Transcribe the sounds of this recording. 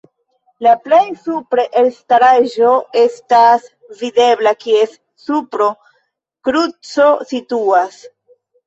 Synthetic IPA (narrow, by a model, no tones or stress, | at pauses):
laple̞jsupɾeʔelstaɾaʒo̞e̞stas | vide̞blakie̞s | supɾo̞ | kɾut͡so̞situas